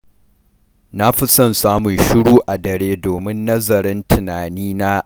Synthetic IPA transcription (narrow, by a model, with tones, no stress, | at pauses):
na˦ɸi˦sɔ˦nsaː˦mʊ˨nʃɪ˦ɽuː˦ʔa˨dɐ˨ɾeː˦doː˨mɪ˦nːɐ˦zɐ˨ɾɪ˦ntʰɪ˨naː˨niː˦naː˦